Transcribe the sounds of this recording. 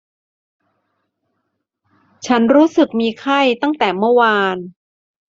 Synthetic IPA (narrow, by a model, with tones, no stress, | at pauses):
t͡ɕʰa˦˥nɾuː˦˥sɯ˨˩k̚miː˧kʰa˥˩jt̪a˥˩ŋt̪ɛː˨˩mɯ˥˩waː˧n